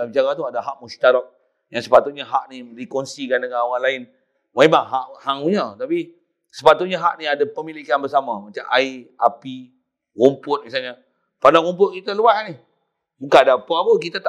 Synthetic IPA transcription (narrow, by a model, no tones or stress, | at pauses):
abid͡ʒaɡat̪uadaɦaʔ̚must̪aɾak̚ | jaŋsəpat̪ʊt̪̚ɲaɦaʔniɾikonsikandəkawanlaɪn | waibaŋɦaʔhaŋuɲət̪api | səpat̪ʊt̪̚ɲaɦaʔniadapəmilikanbərsamamat͡ʃamʔaiʔa̰pi | wompʊt̪̚misalɲə | padaɣomp̬ʊʔ̚kit̪əluasni | mukadapəapəkit̪at̪a